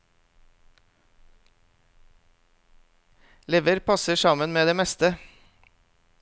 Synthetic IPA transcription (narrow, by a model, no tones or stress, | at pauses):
leːʋəɾpʰɑsəsɑmənmeːd̪eːmɛst̪ə